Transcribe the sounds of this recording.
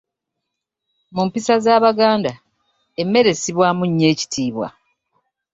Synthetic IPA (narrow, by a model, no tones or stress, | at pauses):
mumpisazaːβaɡaːnda | emːe̞ɾe̞siβwaːmuɲːe̞ːci̥tʰiːβwa̰